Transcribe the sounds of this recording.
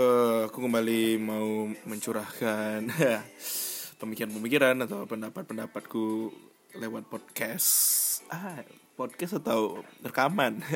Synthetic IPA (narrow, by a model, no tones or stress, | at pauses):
əakukəmbalimauməɲt͡ʃuɾahkana | pəmikiɾanpəmikiɾanat̪awpəndapat̪̚pəndapat̪̚ku | lewat̪̚pɔd̚kɛsapɔd̚kɛsat̪awərkaman